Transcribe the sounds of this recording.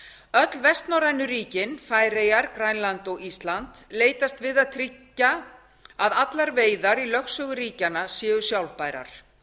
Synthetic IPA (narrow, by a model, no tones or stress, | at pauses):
œt̪lvɛst̪nɔɾajnʏɾiːcɪnfaːjrejaɾkɾajnlant̪ɔɣist̪lant̪leːjt̪ast̪vɪðaðt̪ʰɾicːa | aðat̪laɾveːjðaɾilœxsœːɣʏriːcanasjɛːʏsjawlpaːjɾa̰ɾ̥